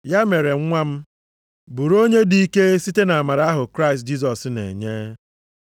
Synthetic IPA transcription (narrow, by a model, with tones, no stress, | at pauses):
ja˦me˨ɾe˨ŋ̩˦ŋʷa˦m̩˦ | bu˨ɾo˦ɲe˦di˨i˦ke˦si˦te˦na˨ma˨ɾa˦ɦʊ˨kɾa˦ɪ˨st̚d͡ʒi˦s̬ɔ˨snḛ˨ɲe˦